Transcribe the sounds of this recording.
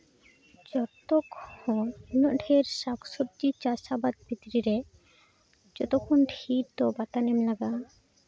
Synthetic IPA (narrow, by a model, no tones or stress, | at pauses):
d͡ʑɔt̪oɡhõnoʔɖʰʱeɾʃaksoɾd͡ʒit͡ɕasʃabat̪̚bit̪ɾiɾe | d͡ʑɔt̪okʰːunʈʰiɾt̪obat̪anemlaɡa